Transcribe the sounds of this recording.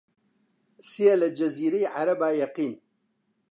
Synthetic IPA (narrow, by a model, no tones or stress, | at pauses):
sijelɐd͡ʒɐziːɾɐjʕaɾɐbaːjɐqiːn